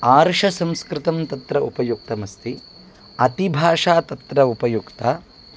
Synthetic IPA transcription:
aːɾʂɐsɐ̃mskɾɪt̪ɐmt̪ɐt̪ɾɐupɐjuk̚t̪ɐmɐst̪i | ɐt̪ibʱaːʂaːt̪ɐt̪ɾɐupɐjukt̪ɐ

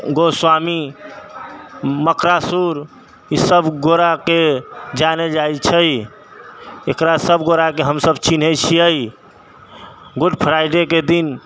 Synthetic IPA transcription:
ɡoswami | məkɾasuɾ | isəbɡoɾaked͡ʒaned͡ʒajt͡ʃʰəj | ekɾasəbɡoɾakeɦəmsəbt͡ʃinɦət͡ʃʰiəj | ɡuɖpʰɾajɖeked̪in

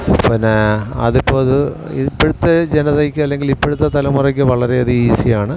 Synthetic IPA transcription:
pinːeɐ̰ðipːoːɐðɨipːeɽut̪ːɐd͡ʑenɐðekʲːɨɐlːe̞ŋɡilipːeɽut̪̬ːɐt̪ɐlɐmurɐk̬ʲːɨʋɐɭɐɾe̞ɐðɨiːsijaːɳɨ

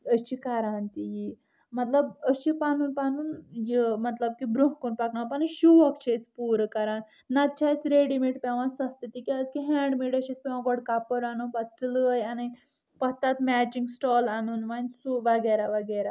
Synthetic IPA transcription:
ət͡ʃikaɾant̪iji | mɐt̪ləbəʃipanunpanunjimɐt̪lɐb̚kibɾuɦkunpaknapɐnʃuʋɐkt͡ʃʰespuɾkɐɾaːnː | ɐt̪̚t͡ʃʰasɾeɽimiʈpʲeʋãsɐst̪it̪ikiad͡zkiɦɛɳɖmiʈəɕispʲɛʋãɡɔɽkapəɾanunpat̪sləjanɐj | pɐɦt̪at̪mɛt͡ɕiŋɡsʈɔːlanunʋansuʋɐɡeɾaʋɐɡeɾa

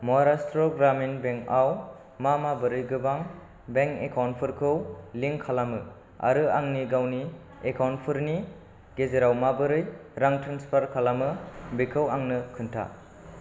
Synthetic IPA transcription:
mɔɦaɾastɾoɡɾaminbeŋkaw | mamabɯɾɯjɡɯbaŋ | beŋkekʰawnpʰɯɾkʰɯwliŋkʰalamɯ | a̰ɾɯaŋniɡawni | ekʰawnpʰɯɾni | ɡ̥ezeɾawmabɯɾɯjɾaŋtʰɾanspʰaɾkʰalamɯbikʰɯwaŋnɯkʰɯntʰa̰

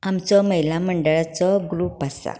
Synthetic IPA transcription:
amt͡sɔməɦjlaməɳɖəɭat͡sɔɡɾuːpasa̰

